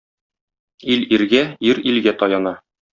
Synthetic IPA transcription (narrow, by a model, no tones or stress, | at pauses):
iliɾɡæiɾilɡæt̪ɒjɑnɑ